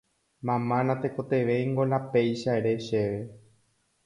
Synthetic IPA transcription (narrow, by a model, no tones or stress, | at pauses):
mãmãnãt̪eko̞t̪e̞ʋe̞jŋɡolapejʃaeɾe̞ʃeʋe